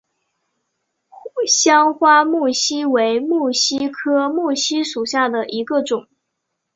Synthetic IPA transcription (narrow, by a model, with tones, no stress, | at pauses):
ɕjɑ˥ŋxwa˥mu˥˩ɕi˥we˧˥ɪmu˥˩ɕi˥kʰɤ˥mu˥˩ɕi˥ʂu˨˩ɕja˥˩d̪ə˩ʔi˧˥ɡə˧ʈ͡ʂʊ˨˩˦ŋ